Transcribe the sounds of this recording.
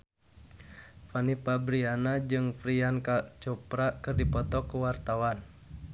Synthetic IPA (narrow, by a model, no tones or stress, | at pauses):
fanipabɾianad͡ʒɨŋfɾiankat͡ʃɔpɾakɨrdipɔt̪ɔkuwart̪awan